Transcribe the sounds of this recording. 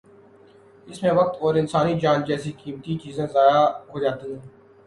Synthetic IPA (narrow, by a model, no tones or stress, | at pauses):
ɪsmẽʋək̚t̪ɔːɾɪnsaːnid͡ʒaːnd͡ʒɛːsikiːmt̪it͡ʃiːzẽːzaːjaɦoːd͡ʒaːt̪iɦɛ̃ː